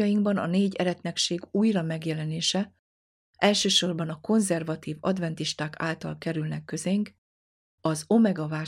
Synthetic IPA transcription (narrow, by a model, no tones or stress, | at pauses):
ɒjiŋɡbɒnɒ̰neːɟɛɾɛt̪nɛkʃeːɡuːjrɒmɛɡjɛlɛneːʃɛ | ʔɛlʃøːʃo̞rbɒnɒko̞nzɛrvɒt̪iːvɒ̰d̪vɛnt̪iʃt̪aːka̰ːlt̪ɒ̰lkɛɾylnɛkːø̞zeŋk | ɒzo̞mɛɡɒvaː